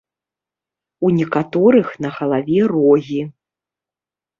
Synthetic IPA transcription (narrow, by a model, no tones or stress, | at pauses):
unʲɛkat̪ɔɾɨxnɐɣɐlˠavʲɛrɔɣʲi